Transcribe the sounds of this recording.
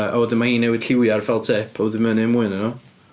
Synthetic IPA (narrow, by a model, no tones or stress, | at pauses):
a̰wɔdɪnmahiːnːɛwɪd̥ɬɪwjarvɛlˠtʰɛpʰɔðɪmənɨmuːɨnənɔ